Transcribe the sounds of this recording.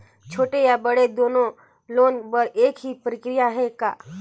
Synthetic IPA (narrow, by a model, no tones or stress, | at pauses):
t͡ʃʰoːʈejabɐɽed̪oːnõ | loːnbəɾeːkɦipəɾɪkɾɪjaɦɛkaː